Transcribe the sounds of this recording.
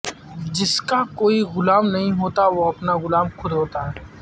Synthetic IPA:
d͡ʒɪskakoːiɣʊlaːmnɐɦĩɦoːt̪aʋoɐpnaɣʊlaːmxʰʊd̪ɦoːt̪aɦɛː

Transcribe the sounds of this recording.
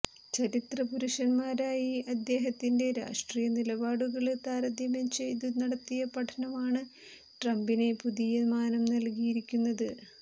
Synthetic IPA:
t͡ɕɐɾit̪rɐpuɾuʂɐnmaːɾaːjiɐd̪ːe̞ːɦɐt̪ːinde̞ɾa̰ːʂʈriːjɐnilɐbaːɽuɣɐɭt̪aːɾɐd̪jɐmɐmt͡ɕe̞jt̪̬unɐɽɐt̪ːijɐpɐʈʰɐnɐmaːɳɨ | ʈrɐmbine̞puðijɐmaːnɐmnɐlkijiɾikʲːunːɐðɨ

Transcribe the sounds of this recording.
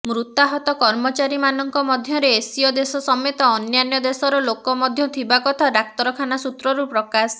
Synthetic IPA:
mɾut̪aɦɔt̪ɔkɔɾmɔt͡ʃaɾimanɔŋkɔmɔd̪ʱjɔɾeːsiɔd̪esɔsɔmet̪ɔːnjanjɔd̪esɔɾɔlokɔmɔd̪ʱjɔt̪ʰibakɔt̪ʰaɾak̚t̪ɔɾɔkʰanasut̪ɾɔɾupɾɔkas

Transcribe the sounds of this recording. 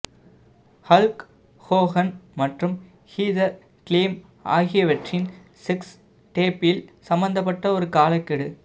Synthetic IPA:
hɐlk | hoːɣɐnmɐʈrɯm | hiːðɐɾ | kliːm | a̰ːɣɪjɐʋɐʈrɪn | sɪks | ʈeːpɪlsɐmbɐnd̪ɐpːɐʈːɐɔɾɯkaːlɐkːɪɽɯ

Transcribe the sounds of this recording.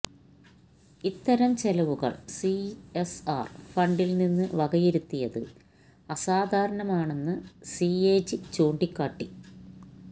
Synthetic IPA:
it̪ːɐɾɐmt͡ɕelɐʋuɣɐ̰ɭsiesaːrfɐɳɖilninːɨʋɐɣɐjiɾut̪ːijɐðɨ̰ | ɐsaːd̪ʱaːɾɐɳɐmaːɳe̞nːɨsieːd͡ʑɨt͡ɕoːɳɖikːaːʈːi

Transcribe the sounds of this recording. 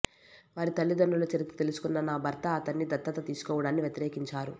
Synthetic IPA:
ʋaːɾit̪ɐlːid̪ɐɳɖulut͡ʃɐɾit̪i̥t̪elusu̥kunːɐnaːbʱɐɾt̪ɐːt̪ɐnːid̪ɐt̪ːɐt̪ɐt̪iːsu̥kɔːʋɐɽaːnːiʋjɐt̪iɾeːkiɲt͡ʃaːɾu

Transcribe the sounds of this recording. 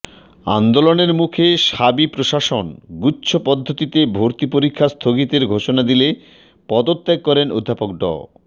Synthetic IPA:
a̰nd̪oloneɾmukʰeʃabipɾoʃaʃonɡutːɕʰopɔd̪ʱːot̪it̪ebʱoɾt̪ipoɾikʰːast̪ʰoɡit̪eɾɡʱoʃonad̪ile | pɔd̪ot̪ːeɡ̚kɔɾeno̰d̪ʱːapok̚ɖɔ̰

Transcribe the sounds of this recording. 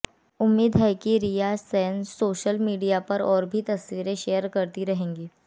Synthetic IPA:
ʊmːiːd̪ɦɛkiɾijasəjənsoːʃəlmiːɖijapəɾɔːɾbʱit̪ɐsʋiːɾeʃejəɾkəɾt̪iɾəɦẽːŋɡiː

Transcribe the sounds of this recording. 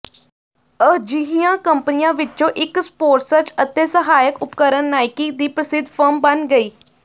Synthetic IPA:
əd͡ʒɪɦijãːkəmpnɪjãːʋɪt͡ʃːt͡ʃõːʔɪkspoːɾʈsəɾt͡ʃət̪eːsəɦaːjəkʊpkəɾənːaːɪkɪ̃ŋd̪iːpɾəsɪd̪ʱpʰəɾmbənɡəiː

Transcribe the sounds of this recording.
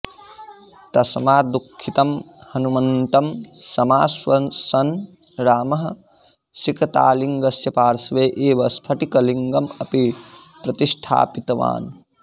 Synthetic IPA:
t̪ɐsɐmaːd̪ukʰːit̪ɐm | hɐnumɐnt̪ɐmsɐmaːsʋɐnsɐn | ɾaːmɐɦɐ | sikɐt̪a̰ːliŋɡɐsjɐpaːɾsʋeːʔeːʋɐspʰɐʈikɐliŋɡɐmɐpipɾɐt̪iʂʈʰa̰ːpit̪ɐʋa̰ːn

